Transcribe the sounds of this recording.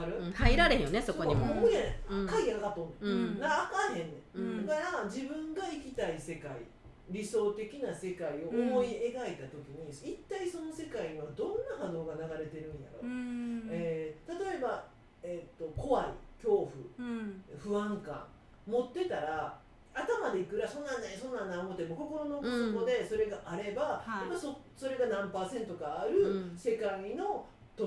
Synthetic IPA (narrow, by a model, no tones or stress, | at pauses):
aɾɯhaiɾaɾẽjonesokoɲimoɯanẽkaiɡʲaɡat̪ːonẽd̪akːkahẽ̞nːẽkaɾad͡ʑibɯ̟̃ŋɡaikʲit̪aise̞kaḭ | ɾʲiso̞ːt̪e̞kʲinase̞kaio̞omo̞ie̞ɡait̪at̪o̞kʲiɲ̟iit̪ːaiso̞no̞se̞kaiɲ̟iβad̪õ̞nːahano̞ːɡanaɡaɾe̞t̪e̞ɾɯ̟̃ɰ̃ja̰ɾo̞̰ | eːt̪at̪o̞e̞ba | et̪ːo̞ko̞βaḭkʲo̞ːɸɯ̟̰ | ɸɯ̟ãŋkã̰ŋ | mo̞t̪ːe̞t̪aɾa | at̪amad̪e̞ikɯ̟ɾaso̞ːnãnd̪aso̞ːnãnd̪aomo̞t̪ːemoko̞ko̞ɾo̞no̞soko̞d̪e̞so̞ɾe̞ɡaʔaɾe̞baemaso | so̞ɾe̞ɡanãmpaːsẽ̞nt̪o̞kaːɾɯ̟se̞kaino̞ | t̪o